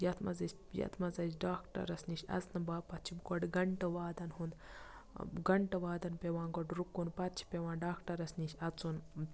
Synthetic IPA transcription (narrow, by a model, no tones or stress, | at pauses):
jɐt̪ʰmɐzɐsʲ | jɐ̰t̪ʰmɐzɐsɖaːkʈɐ̰ɾɐsniʃʲɐ̰znɐbaːpɐt̪̚t͡ʃʰibɡɔɖɡɐɳʈɐʋaːd̪ɐnhund̪ | ɡɐɳʈɐʋaːd̪ɐnpeʋãːnɡɔɖɾukːunpɐt̪t͡ʃʰi̥peʋaːnɖaːkʈɐɾɐsniʃʲɐt͡sun